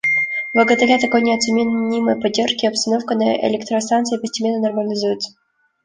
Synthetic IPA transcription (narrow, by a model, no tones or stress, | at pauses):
vəɡət̪ɐɾʲat̪ɐko̞jnʲɪɐt̪sɨmʲɪnʲiməjpɐdʲːerʂkʲɪɐpst̪ɐnofkənəɪ̰lʲɪkt̪ɾəst̪ant̪sɨɪpəsʲtʲɪmʲenːənərməlʲɪzujɪt̪sə